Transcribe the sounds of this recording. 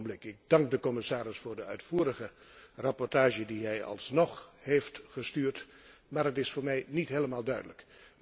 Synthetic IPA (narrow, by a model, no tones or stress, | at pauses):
blɪkɪɡ̚dɑŋɡ̚dəkɔmɪsaːɾɪsfʊːɹdəœ̰ɥtfuːɾəχə | rɑpɔɹtaːʒədiɦɛjɑ̰lˠsnɔχheftχəstyːrt | maːɹɦətɪsfʊːɹmɛjnitɦeːləmaːlˠdœɥdələk